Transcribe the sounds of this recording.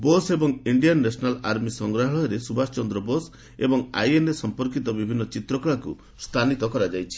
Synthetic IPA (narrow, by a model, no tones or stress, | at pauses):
bosebɔŋiɳɖijanːesɔnalaɾmisɔŋɡɾaɦɔɭɦɔɾesubast͡ʃɔnd̪ɾɔbos | ebɔŋa̰jenɾesɔmpɔɾkit̪ɔbibʱinːɔt͡ʃit̪ɾɔkɭakṵ | st̪ʰanit̪ɔkɔɾad͡ʒajt͡ʃʰi̥